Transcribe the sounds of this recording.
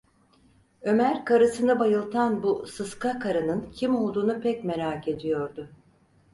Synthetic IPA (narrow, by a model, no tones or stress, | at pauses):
ø̞mæɾkaɾɯsɯnabajɯlˠt̪ʰanbusɯskakʰaɾanɯncʰimo̞lˠd̪uːnupʰɛcme̞ɾaːkʰe̞d̪ijo̞ɾd̪ʊ